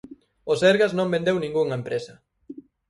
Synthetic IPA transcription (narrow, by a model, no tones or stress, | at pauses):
osɛɾɣaznõmbẽnd̪ewnĩŋɡuŋɐempɾesɐ